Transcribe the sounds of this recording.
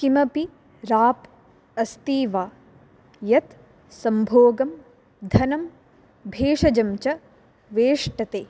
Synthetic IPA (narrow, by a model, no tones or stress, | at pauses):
kimɐpi | ɾaːp | ɐst̪iːʋaː | jɐt̪ | sɐmbʱoːɡɐm | d̪ʱɐnɐm | bʱeːʂɐd͡ʒɐmt͡ʃɐ | ʋeːʂʈɐt̪eː